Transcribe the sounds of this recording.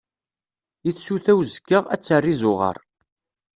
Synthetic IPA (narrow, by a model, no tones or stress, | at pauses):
iθsuθæwzəkːəʁæ̰t͡sːərːizʊʁə̰ɾˤ